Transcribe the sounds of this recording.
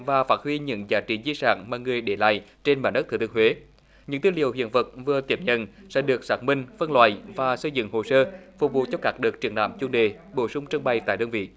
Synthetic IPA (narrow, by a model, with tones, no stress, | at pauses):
vaː˨˩faː˦˥t̚hwi˧ɲɨ̰˧˥ŋzaː˨˦t͡ɕi˨˩˦zi˧sa̰ː˧˥ŋmaː˨˩ŋɨ˨˩əjɗe˧˩la̰ː˧˨jt͡ɕe˧nɓaː˧˩nɗə˦˥ɨ˨˩t̪ɨ˧hwe˨˦ | ɲɨ̰˧˥ŋt̪iː˧lḭ˨əwhḭ˧˨ənvə˨˩t̚vɨ˨˩ət̪i˨˧˩əmɲə̰˧˨nsɛ̰˧˥ɗɨ˨˩ək̚saː˦˥k̚mï˧ŋ̟fə˧nlwa̰ː˧˨jvaː˨˩sə˧jzɨ̰˧˨ŋho˨˩səː˧fʊ˨˩k͡p̚vṵ˨t̚t͡ɕɔ˧kaː˦˥k̚ɗɨ˨˩ək̚t͡ɕi˧˩əna̰ː˧˨mt͡ɕu˨˧ənɗe˨˩ | ɓo˧˩sʊ˧wŋ͡mt͡ɕə˧ŋɓa˨˩jt̪a̰ː˧˨jɗəː˧nvḭ˧˨